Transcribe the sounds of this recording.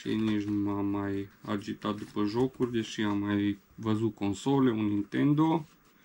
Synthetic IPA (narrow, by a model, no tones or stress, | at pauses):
ḛniʒnumamaja̰d͡ʒit̪at̪̚d̪upəʒokurʲd̪eʃiamːaj | vəzut̪̚konsoleunint̪end̪o